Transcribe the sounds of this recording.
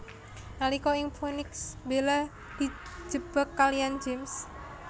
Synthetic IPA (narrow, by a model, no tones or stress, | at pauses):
nalikɔɪŋpʰunɪksbela | d̪̥i̤̥d͡ʒ̥əb̥əkːalijand͡ʒems